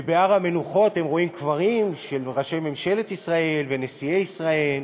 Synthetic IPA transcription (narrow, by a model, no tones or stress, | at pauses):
beaʁhame̞nuχo̞t̪hemʁo̞imkvaʁimʃe̞lʁaʃejme̞mʃe̞le̞t̪isʁae̞lvene̞sieisʁae̞l